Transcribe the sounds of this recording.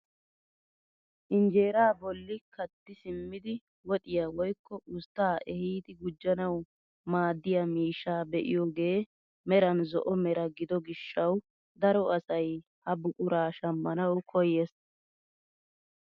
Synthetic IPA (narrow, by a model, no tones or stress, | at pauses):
ʔɪnd͡ʒe̞ːɾaːbɔlːɪkɐt̪ːɪsɪmːɪd̪ɪ | wɔt̪ʼɪjɐwɔjkːɔʔʊst̪ːaːʔɛhiːt̪ɪɡʊd͡ʒːɐnɐw | maːd̪ːɪjɐmiːʃːaːbɛʔɪ̰jɔɡe̞ː | mɛɾɐnzɔʔɔmɛɾɐɡɪd̪ɔɡɪʃːɐw | d̪ɐɾɔɐsɐj | hɐbʊkʼʊɾaːʃɐmːɐnɐwkʰɔjːes